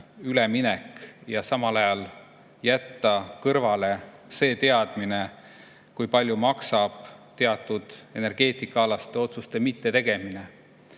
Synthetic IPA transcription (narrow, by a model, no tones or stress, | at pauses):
yleminekjɑsɑmɑlɑjɑl | jæt̪ːɑkɤɾvɑle̞se̞ːt̪e̞ɑd̪̥mine̞ | kujpɑlʲjumɑksɑb̥t̪e̞ɑt̪ːˑud̪̥e̞ne̞rɡ̥e̞ːt̪ˑikːˑɑɑlɑst̪ˑeo̞t̪sust̪e̞mit̪ːe̞t̪e̞ɡ̥e̞mine̞